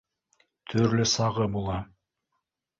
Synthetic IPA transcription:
t̪ʰɵɾlɵsɑʁɤbulˠɑ

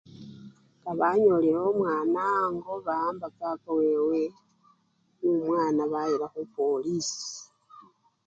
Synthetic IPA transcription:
kaβaɲolehomwaːnaŋɡo̞βaːmbakakowewe | numwaːnaβajiɾaxupo̞lisi̥

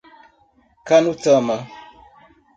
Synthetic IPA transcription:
kanutəmə

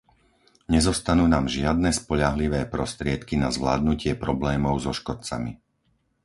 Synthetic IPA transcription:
ɲɛzɔst̪anuːnaːmʒɪad̪̚nɛspɔʎaɦliʋɛːpɾɔst̪ɾɪɛt̪kinazʋla̰ːd̪̚nucɪɛpɾɔblɛːmɔʊzɔʃkɔt̪̚t͡sa̰mḭ

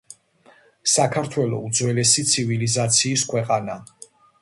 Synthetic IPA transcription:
sakʰaɾt̪ʰwɛlˠɔ̰ud̪zwɛlɛsit̪sʰivilizat̪sʰiːskʰwɛqʼana

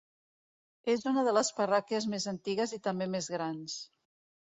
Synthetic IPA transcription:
ezunəðələspərɔkiəzmezənt̪iɣəzit̪əmbemezɣɾans

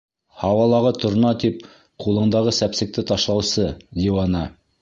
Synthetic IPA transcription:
hɑwɑlˠɑʁɤt̪ʰŏɾnɑt̪ip | qulˠɤ̆ɴd̪ɑʁɤsæpsɘ̆k̚t̪ɘt̪ɑʃlˠɑwsɤd̪ʲiwɑnɑ

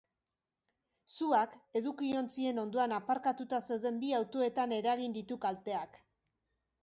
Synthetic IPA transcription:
suake̞ðukio̞nt͡sie̞no̞nd̪o̞anapaɾkat̪ut̪ase̞wðe̞mbiawt̪o̞e̞t̪ane̞ɾaɣind̪it̪ukalt̪e̞ak

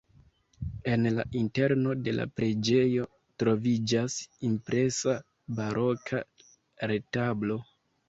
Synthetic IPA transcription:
e̞nla̰ʔinte̞ɾno̞de̞la̰pɾe̞d͡ʒe̞jo̞ | tɾo̞vid͡ʒasimpɾe̞sa | baɾʔo̞kʰa | ɾe̞tablo̞

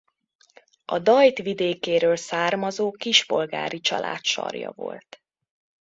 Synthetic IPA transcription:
ɒd̪ɒjt̪ʋid̪eːkeːɾøːlsaːrmɒzoːkiʒpo̞lɡaːɾit͡ʃɒlʔa̰ːt̪ʃɒ̰rjɒ̰vo̞̰lt̪

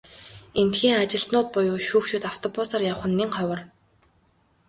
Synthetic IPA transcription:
ent̪xiːŋat͡ɕɪ̆ɬt̪nʊːt̪̚pʊjʊːʃuːxʃuːt̪aw̥t̪ʰɔpʊsarjaw̆χə̆nːiŋχɔwə̆r

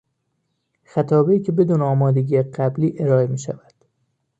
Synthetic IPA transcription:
xæt̪ʰɒːbeiːcʰe̞be̞d̪uːneɒːmɒːd̪e̞ɟiːjeɢæbliːʔe̞ɾɒːemiːʃæ̰væd̪̥

